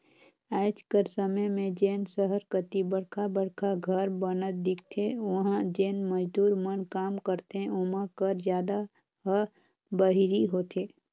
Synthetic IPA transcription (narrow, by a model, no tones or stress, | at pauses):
aːd͡ʒkəɾsəməjmẽd͡ʒeːnsəɦəɾkət̪ibəɽkʰabəɽkʰaɡʱəɾbənət̪̚d̪ɪkʰt̪ʰeʋʊɦãd͡ʒeːnməd͡ʒd̪uːɾmənkaːmkəɾt̪eɛ̃ʊmãkəɾd͡ʒjaːd̪a | ɦə | bəɦiɾiɦoːt̪ʰeː